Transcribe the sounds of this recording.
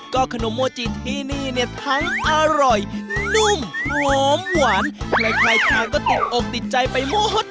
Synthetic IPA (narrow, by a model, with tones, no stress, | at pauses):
kɔː˧˥˩kʰa˧no˨˩˦mːoː˧˩t͡ɕi˨˩t̪̚hiː˧˩niː˧˩ni˧˩t̪ʰa˦˥ŋʔaː˧ɾɔ˨˩jnu˧˥˩mhɔː˧˦˥mwaː˨˩˦nkʰɾa˧˩jkʰlaː˧jkʰaː˧ŋkɔː˥˩t̪i˨˩t̪̚ʔo˨˩k̚t̪i˨˩t̪̚t͡ɕa˧jpa˧jmoː˧˥˩ɦo˧˥˩t̪̚